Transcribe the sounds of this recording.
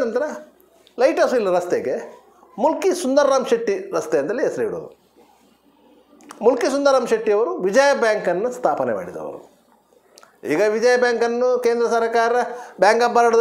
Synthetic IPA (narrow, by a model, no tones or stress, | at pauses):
nɐnt̪ɐɾɐ | lɐjʈɐsuilːiɾɐst̪eɡe | mulkisund̪ɐɾːaːmʃɐʈːiɾɐst̪eɐnɐlːiesɐɾiiɽo̰ːd̪u | mulkisund̪ɐɾɐːmʃɐʈːijɐʋɐɾuʋid͡ʒɐjɐbjaːŋkɐnːust̪ʰaːpɐnema̰ːɽid̪ɐ̰ʋɐ̰ɾṵ | ḭːɡɐʋid͡ʒɐjɐbjaːŋkɐnːukeːnd̪ɾɐsɐɾkaːɾɐbjaːŋɡɐbːɐɾɐɽɐ